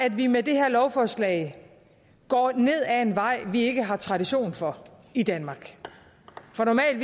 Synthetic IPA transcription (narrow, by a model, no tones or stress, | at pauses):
æd̥ʋimed̥e̝heɐlɒʊfɒːslɛ̰ɪ | ɡ̥ɒ̰ːne̝ð̞̰ˠæe̝nʋɑ̈ɪ̰ʋie̝ɡ̥əɦɑ̈t͡sʰʁɑ̈dɾiɕo̝̰ːnfɒ̽ | id̥ænmɑ̈ːɡ̥ | fʁɑnɒmɛ̰ːl